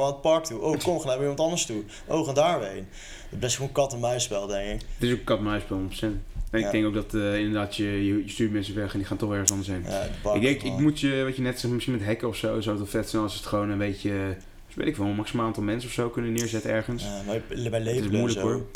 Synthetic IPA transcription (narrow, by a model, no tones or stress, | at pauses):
aət̚pɑɹk̚tuʔowkomχanamimɑntɑndəstu | ʔowχandaːɹʋejn | blɛstχownkɑtənmœɥspɛlˠdɛŋkɪkətɪsokəkɑtmœɥspɛlˠnɔpsɛnɛnɪɡdɛŋkowkɡdɑtɪndəɹdaːtjəjəjəstyːmɛnsəfʋɛχɛndiχaːntɔχɛɹχənsɑndəsɦejna̰ɪɡ̚dɛŋkɪkmutjəʋɑtənɛtsɛxmamɪsχinmɛtɦɛkəɔfsowɛsawdtɔfɛtsɛnɑlˠsɪsə̥tχəʋownənbejcə | sʋɛ̰tɪkfomɑksimaaːntɑlˠmɛnsəɔfsowkɵnənːɪːɹzɛtəɛɹχənsnobɛleɪsomujləɔɹ